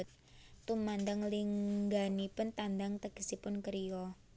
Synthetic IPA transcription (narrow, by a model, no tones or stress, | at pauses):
t̪̚ː | umand̪aŋliŋɡanipʊnt̪and̪aŋt̪əɡ̥əsipʊnkəɾijɔ